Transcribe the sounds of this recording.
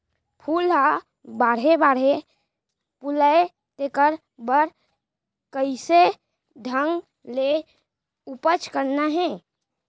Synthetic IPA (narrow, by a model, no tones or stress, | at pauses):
pʰuːla | baːɾɦebaːɾe | puləe | t̪ekəɾ | bəɾ | kəise | d̪ʱəŋɡ | le | upət͡ʃkəɾnaɦɛ̃ː